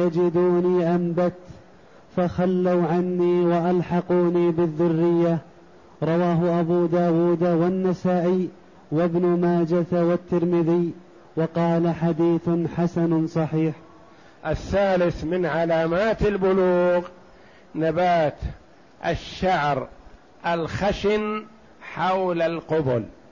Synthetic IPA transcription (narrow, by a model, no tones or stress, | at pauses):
jad͡ʒɪd̪uːniːʔambat̪ | faxalːawʕanːiːwaʔalħɑquːniːbɪðːʊrːɪjːa | ɾˤɑwaːɦʊʔabuːd̪aːwuːd̪wanːasaːʔiː | wabnʊmaːd͡ʒat̪wat̪ːɪɾmɪðɪj | wɑqɑːlaħad̪iːθħasansˤɑħiːħ | ʔaθːaːlɪθmɪnʕalaːmaːt̪albʊluːɣ | nabaːt̪ | ʔa̰ʃːaʕɾ | ʔalxaʃɪn | ħawlalqʊbʊl